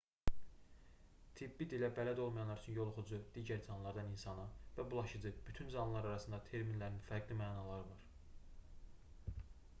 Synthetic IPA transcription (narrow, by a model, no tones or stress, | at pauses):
t̪ʰibːid̪ilæbælæd̪o̞lˠmɑjɑnlˠɑɾyt͡ʃʰynjo̞lˠoχud͡ʒud̪̥iːɟæɾd͡ʒɑnlˠɑɾd̪ɑninsɑnɯvæbulˠɑʃɯd͡ʒɯb̥yt̪ʰynzɑnlˠɑɾɑɾɑsɯnd̪ɑt̪ʰe̞ɾminlæɾninfæɾɡlimæːnɑlˠɑɾɯvɑɾ